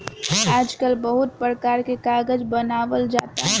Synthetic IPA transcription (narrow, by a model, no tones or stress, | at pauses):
aːd͡ʒkəlbəɦʊt̪̚pɾəkaːɾkekaːɡəd͡ʒbənaːʋəld͡ʒaːt̪aɦɛ